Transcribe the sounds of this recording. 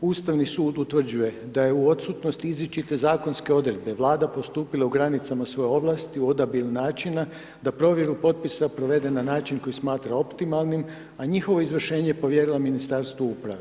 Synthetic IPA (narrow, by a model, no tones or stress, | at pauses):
uːst̪aʋnisuːd̪ut̪ʋr̩d͡ʑuje̞ | d̪aje̞uo̞t̪sut̪no̞st̪izʋit͡ʃit̪e̞zaːko̞nske̞o̞d̪ɾe̞d̪̚beʋlˠaːd̪apo̞st̪uːpilˠauɡɾanit̪samasʋo̞jeo̞ʋlˠast̪iuo̞d̪abiɾunaːt͡ʃina | d̪apɾo̞ʋje̞ɾupo̞t̪̚pisapɾo̞ʋe̞d̪e̞nanaːt͡ʃinko̞jismaːt̪ɾao̞pt̪imalˠnim | aɲixo̞ʋo̞izʋr̩ʃe̞ːɲepo̞ʋje̞ɾilaminist̪aɾst̪ʋoupɾa̰ʋe